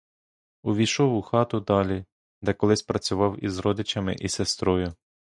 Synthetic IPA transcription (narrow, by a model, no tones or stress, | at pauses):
ʊʋʲijʃɔwʊxɑt̪ʊd̪ɑlʲi | d̪ɛkɔlˠɪsʲpɾɐt͡sʲʊʋɑwizɾɔd̪ɪt͡ʃɐmɪ̰ʔisest̪ɾɔjʊ